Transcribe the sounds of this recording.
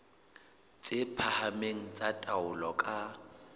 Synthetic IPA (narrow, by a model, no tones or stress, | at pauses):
t͡sʼɪpʰahameŋ̩t͡sʼatʼaʊlɔkʼa